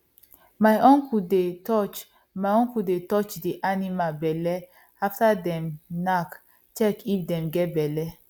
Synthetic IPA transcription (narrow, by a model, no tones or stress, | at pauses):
majʔõnkudetɔt͡ʃ | maõnkudetɔt͡ʃdiʔanimabɛlɛ | aftadɛ̃mnak | t͡ʃɛkifdɛ̃mɡɛt̚bɛlɛ